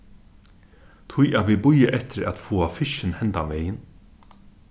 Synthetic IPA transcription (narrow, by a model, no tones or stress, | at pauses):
t̪ʰʊjæt̪vʋiːbʊjaʔɛht̪ɪɾæ̰t̪fuːafɪʃɪnhɛnt̪aʋɛːjɪn